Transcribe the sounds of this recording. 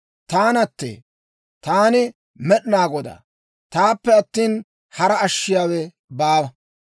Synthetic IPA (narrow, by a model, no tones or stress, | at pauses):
t̪aːnɐt̪ːḛː | t̪aːnɪ | mɛɗɪnaːɡɔd̪a̰ː | t̪aːpːɛɐt̪ːiːn | hɐɾɐɐʃːɪjaːwɛ | baːwɐ